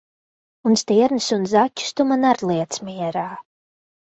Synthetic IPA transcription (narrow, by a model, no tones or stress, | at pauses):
unst̪iɛɾnɨsunzacʲːu̥st̪umanaɾlˠiɛt̪smiɛɾaː